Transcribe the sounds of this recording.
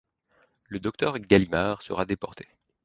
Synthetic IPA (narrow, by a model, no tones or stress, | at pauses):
ləd̪ɔk̚t̪œʁɡalimaːʁsə̰ʁad̪epɔʁt̪ʰe̥